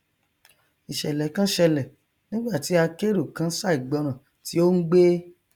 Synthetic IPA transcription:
i˨ʃɛ˨lɛ˨kã˦ʃɛ˧lɛ˨ | nĩ˦ɡ͡ba˦˨ti˨˦a˧ke˦ɾo˦˨kã˨˦sa˦˨i˨ɡ͡bɔ˧ɾ̃ã˨ | ti˨˦o˦n̩˦ɡ͡be˦

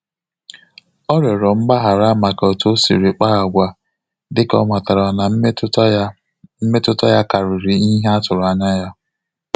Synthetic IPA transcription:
ɔ˦ɾe˨ɾɔ˨m̩˦ɡ͡ba˦ɦa˨ɾa˦ma˨kɔ˨to˦sḭ˨ɾi˨k͡pa˦a˨ɡʷa˦ | dɪ˦kɔ̰˦ma˨ta˨ɾa˨na˨˦ | m̩˦me˦tʊ˦tɔ˦ja˦ka˨ɾɪ˨ɾi˨i˦ɦe˦a˦tʊ˨ɾa˨ɲa˦ja˦

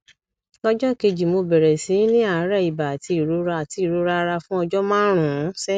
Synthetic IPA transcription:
lɔ˦d͡ʒɔ˦˨ke˧d͡ʒi˨mo˧bɛ˨ɾɛ˨sĩ˨˦nĩ˦a˦˨˦ɾɛ˦˨i˨ba˨ti˧i˦˨ɾu˨˦ɾa˧a˨ti˧˦i˦˨ɾu˨˦ɾa˧ɾa˧fũ˦ɔ˧d͡ʒɔ˦mãː˦ɾ̃ũ˦˨˦sɛ˦

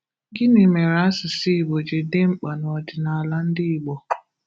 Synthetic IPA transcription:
ɡɪ˦ne˨me˨ɾa˦sɪ˨si˦i˨bo˨d͡ʒe˨de˦ŋ͡m̩˦k͡pa˨nɔ˨dɪ˨na˨la˦n̩˦dɪ˦i˨ɡ͡bɔ˨

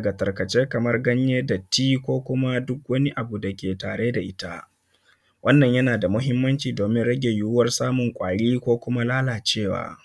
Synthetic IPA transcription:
ɡa˨tɐ˨rkɐ˨t͡ʃeː˦kɐ˨mɐ˦rɡɐ˦ɲjeː˦da˨tiː˦kʷoː˦kʷʊ˦ma˦dʊ˦kwɐ˦ni˦ʔa˨bu˨da˨kʲeː˨taː˨ɽeː˦da˨ʔɪ˦ta˦ | wʔɐ˦nːɐ˨ɲjɐ˦naː˨da˨mʊ˦ɦɪ˦mːɐ˦nt͡ʃiː˨doː˨mɪ˦nɽɐ˦ɡʲe˨juː˦wɐ˦rsaː˦mʊ˨ŋkʷʼaː˨ɽiː˦kʷoː˦kʷʊ˦ma˦laː˦laː˨t͡ʃeː˦˨wa̰ː˦

